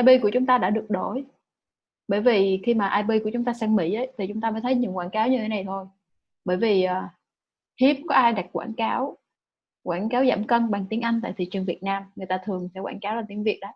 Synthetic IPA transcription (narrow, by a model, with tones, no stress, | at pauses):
ʔaː˧jɓi˧ku˧˩ət͡ɕʊ˨˦ŋ͡mt̪aː˧ɗa̰ː˧˥ɗɨ˨˩ək̚ɗo˧˩j | ɓəː˧˩jvi˨˩xi˧maː˨˩ʔaː˧jɓi˧ku˧˩ət͡ɕʊ˨˦ŋ͡mt̪aː˧sɛ˧ŋmḭ˧˩ʔə˨˦jt̪ʰi˨˩t͡ɕʊ˨˦ŋ͡mt̪aː˧məː˨˦jt̪ʰjɲɨ̰˧˨əŋkwaː˧˩nkaː˨˦wɲɨ˧t̪ʰe˨˦na˨˩jt̪ʰo˧j | ɓəː˧˩jvi˨˩ʔəː˨˩ | hi˦˥əp̚kɔ˨˦ʔaː˧jɗa˨˩t̚kwa̰ː˧˩nkaː˨˦w | kwaː˧˩nkaː˨˦wza̰ː˧˩mkə˧nɓa˨˩ŋt̪i˨˦əŋʔa˧jŋt̪a̰ː˧˨t̪ʰḭ˧˨t͡ɕɨ˨˩ŋvi˨˩ət̚naː˧mŋɨ˨˩əjt̪aː˧t̪ʰɨ˨˩əŋsɛ̰˧˥kwaː˧˩nkaː˨˦wlaː˨˩t̪i˨˦ŋvi˨˩ət̚ɗə˨˦